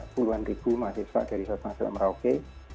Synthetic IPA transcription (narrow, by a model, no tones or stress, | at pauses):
puluanrib̥ṳmasɪhsfa̰ʔd̥a̤ɾisɔt̪asl̰məɾaoke